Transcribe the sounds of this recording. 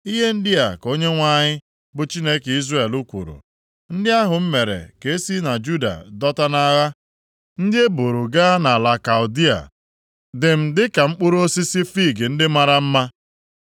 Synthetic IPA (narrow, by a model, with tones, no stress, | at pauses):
i˦ɦe˦n̩˦dɪ˦a˨ko˦ɲe˦ŋʷa˦ɲɪ˦ | bʊ˨t͡ʃi˦ne˦ke˨i˦zrae˦˨e˨lu˦kʷṵ˨ɾṵ˨ | n̩˦dɪ˦a˦ɦʊ˨m̩˦me˨ɾḛ˨ke˨e˦si˦na˨d͡ʒu˦da̰˨dɔ˦ta˦na˦ɣa˦ | n̩˦dɪ˦e˦bo˨ɾu˨ɡa˦na˨la˨ka˨ʊ˨di˦a̰˨ | dɪ˨m̩˨dɪ˦ka˨m̩˦k͡pʊ˦ɾo˦si˦si˦fi˦˨ɡɪ˨n̩˦dɪ˦ma˦ɾa˦m̩˦ma˦